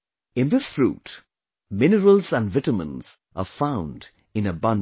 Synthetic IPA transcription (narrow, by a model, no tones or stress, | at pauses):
ɪ̃nðɪsfɹṵːt | mɪnəɾəlzæ̃nɖvɪʈəmə̰̃nz̥ | ʔə̰fãʊ̃nd | ɪ̃nəbʌ̃n